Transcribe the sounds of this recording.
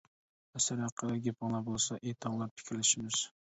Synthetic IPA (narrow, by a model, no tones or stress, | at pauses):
asɪɾhɑqʰːɨd̪aɡʲepʰɑŋlˠaɾbolˠsaʔejt̪ʰɒŋlˠaɾpʰɪ̥kʲɾɪlɪʃɪmɪz̥